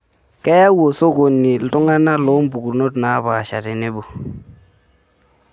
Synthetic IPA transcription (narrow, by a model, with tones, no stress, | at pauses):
kɛ˦ja˦wo˨so˦ɡo˨nːi˨ltu˦ŋa˦na˦lo˦mbu˨ɡu˨ɾno˦tna˨˦ba˨ʃa̰˨ɾɪ˨nɪ˦bu˨